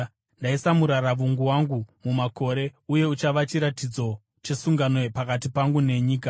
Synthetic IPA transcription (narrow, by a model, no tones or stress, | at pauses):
ndaisamuɾaɾaʋuŋɡuwaŋɡumumako̞ɾe̞uje̞ut͡ʃaʋat͡ʃiɾatid͡zo̞ | t͡ʃesuŋɡanepakatipaŋɡune̞ɲiːk̬a